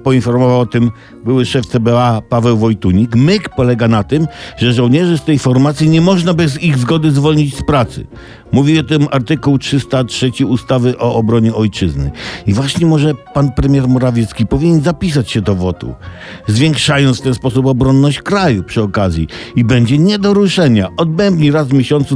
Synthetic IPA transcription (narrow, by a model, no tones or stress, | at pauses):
pɔinfɔɾmɔvawɔt̪ɘm | bɘwɘʂɛft̪sɛbɛapavɛwvɔjt̪uɲikmɘkpɔlɛɡanat̪ɘmʐɛʐɔwɲɛʐɘst̪ɛjfɔɾmat̪sʲjiɲɛmɔʐnabɘziɣzɡɔd̪ɘzvɔlɲit͡ɕspɾat̪sɨ̰ | muvʲiɔt̪ɪmaɾt̪ɘkuwtʂɘst̪atʂɛt͡ɕiust̪avɘʔɔːbɾɔɲɛɔjt͡ʂɘznɘ̰ivwaɕɲɛmɔʐɛpanpɾɛmʲjɛɾmɔɾavʲjɛt̪skʲipɔvʲiɲɛnzapʲis̬at͡ɕɕɛd̪ɔvɔt̪ṵ | zvʲjɛŋkʂajɔnft̪ɛnspɔsupɔbɾɔnːɔɕt͡ɕkɾajupʂɘɔkazʲjiibɛɲd͡ʑɛɲɛd̪ɔɾuʂɛɲaʔɔd̪bɛmbɲiɾazvmʲjeɕɔnt̪su